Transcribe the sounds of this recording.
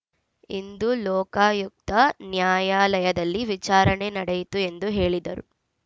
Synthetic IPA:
ind̪ulɔːkaːjuk̚t̪ɐnjaːjaːlɐjɐd̪ɐlːiʋit͡ʃaːɾɐɳe̞nɐɽejit̪ue̞nd̪uɦe̞ːɭid̪ɐ̰ɾu

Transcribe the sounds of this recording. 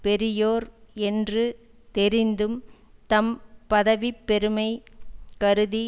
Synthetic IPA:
pɛɾɪjoːɾɛndrɯ | t̪ɛɾɪnd̪ɯm | t̪ɐmpɐðɐʋipːɛɾɯmɐɪkɐɾɯði

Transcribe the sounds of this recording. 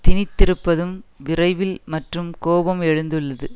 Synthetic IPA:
t̪ɪnɪt̪ːɪɾɯpːɐðɯmʋɪrɐɪʋɪlmɐʈrɯmkoːbɐmɛɻɯnd̪ɯɭːɐðɯ

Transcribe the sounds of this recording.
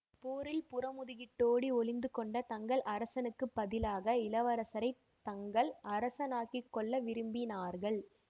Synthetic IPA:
poːɾɪlpʊrɐmʊðɪɣɪʈːoːɽiɔɭɪnd̪ɯkɔɳɖɐt̪ɐŋɡɐɭʔɐɾɐsɐnɯkːɯpːɐðɪlaːɣɐɪlɐʋɐɾɐsɐɾɐɪ | t̪ɐŋɡɐɭɐɾɐsɐnaːkikːɔɭːɐʋɪɾɯmbinaːɾɣɐɭ

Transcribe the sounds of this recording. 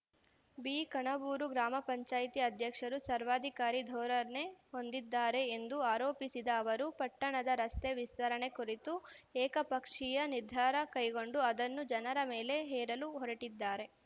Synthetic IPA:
biːkɐɳɐbuːɾuɡɾaːmɐpɐɲt͡ʃaːjt̪iɐd̪ʱjɐkʂɐɾusɐɾʋaːd̪ʱikaːɾid̪ʱɔːɾɐneho̞nd̪id̪ːaːɾe̞ːnd̪uaːɾoːpisid̪ɐːʋɐɾupɐʈːɐɳɐd̪ɐɾɐst̪eʋist̪ɐɾɐɳe̞kuɾit̪uɛːkɐpɐkʂijɐniɾd̪ʱaːɾɐkɐjɡo̞ɳɖuɐd̪ɐnːud͡ʒɐnɐɾɐmeːle̞ɦɛːɾɐluɦɔɾɐʈid̪ːaːɾe̞

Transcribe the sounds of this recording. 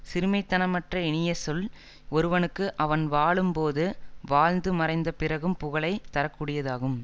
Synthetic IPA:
sɪɾɯmɐɪt̪ːɐnɐmɐʈrɐɪɳɪjɐsɔl | ɔɾɯʋɐnɯkːɯʔɐʋɐnʋaːɭɯmpoːðɯʋaːɻnd̪ɯmɐɾɐɪnd̪ɐpɪɾɐɣɯmpʊɣɐɭɐɪt̪ːɐɾɐkːuːɽɪjɐðaːɣɯm

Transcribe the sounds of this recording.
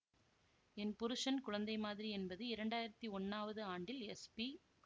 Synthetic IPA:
ɛnpʊɾɯʂɐnkʊɻɐnd̪ɐɪmaːðɪɾiɛnbɐðɯɪɾɐɳɖaːjɪɾɐt̪ːiɔnːaːʋɐðɯaːɳɖɪlɛspi

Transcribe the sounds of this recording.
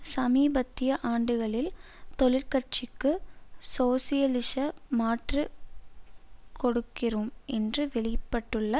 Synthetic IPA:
sɐmiːbɐt̪ːɪjɐʔaːɳɖɯɣɐɭɪl | t̪ɔɭɪɾkɐʈ̚t͡ʃɪkːɯsoːsɪjɐlɪʂɐmaːʈrɯ | kɔɽɯkːɪrumʔɛndrɯʋɛɭɪpːɐʈːɯɭːɐ

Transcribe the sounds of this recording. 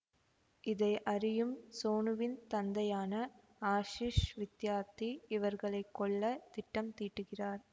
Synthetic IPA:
ɪðɐɪʔɐɾɪjɯmsoːnɯʋɪnt̪ɐnd̪ɐjaːnɐ | aːʂiːʂʋɪt̪jaːt̪ːiɪʋɐɾɣɐɭɐɪkːɔɭːɐt̪ɪʈːɐmt̪iːʈːɯɣɪraːɾ

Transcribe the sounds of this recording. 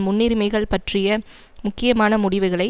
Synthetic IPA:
mʊnːiɾmɐɪɣɐɭpɐʈrɪjɐ | mʊkːɪjɐmaːnɐmʊɽɪʋɯɣɐɭɐɪ

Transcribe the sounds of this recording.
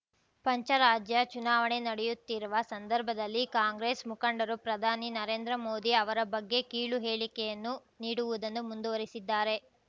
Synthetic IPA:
pɐɲt͡ʃɐɾaːd͡ʒjɐt͡ʃunaːʋɐɳe̞nɐɽɛjut̪ːiɾuʋɐsɐnd̪ɐɾbʱɐd̪ɐlːikaːŋɡɾeːsmukɐɳɖɐɾupɾɐd̪ʱaːninɐɾeːnd̪ɾɐmo̞ːd̪iɐʋɐɾɐbɐɡːe̞kiːɭuɦeːɭikɛjɐnːu | niːɽuʋud̪ɐnːumund̪uʋɐɾisid̪ːaːɾe̞

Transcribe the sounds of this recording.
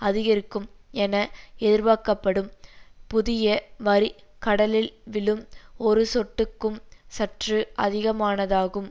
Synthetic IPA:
ɐðɪɣɐɾɯkːɯmɛnɐɛðɪɾʋaːkɐpːɐɽɯmpʊðɪjɐʋɐɾikɐɽɐlɪlʋɪlɯmɔɾɯsɔʈːɯkːɯmsɐʈrɯʔɐðɪɣɐmaːnɐðaːɣɯm

